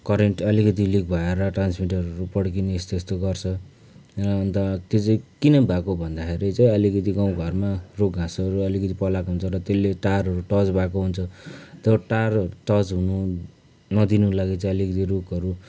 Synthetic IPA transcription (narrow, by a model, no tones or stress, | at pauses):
kʌɾeɳʈʌlikʌt̪̬ilik̚bʱʌeɾʌʈransmiʈʌɾʌɾupʌɽk̬ineest̪est̪oɡʌrt͡sʰʌ | ʌnt̪ʌt̪et͡sãkinʌbʱakobʱʌnd̪akʰeɾit͡saĩʌlikʌt̪iɡaw̃ɡʱʌrmarok̚ɡʱãsʌɾuʌlikʌt̪ipʌlakoɦunt͡sʰʌɾʌt̪elːeʈarɦʌɾuʈʌd͡zbʱakoɦunt͡sʰʌt̪ʌʈarɾuʈʌd͡zɦunu | nʌd̪inulaɡet͡saĩʌlikʌt̪̬iɾokʌɾu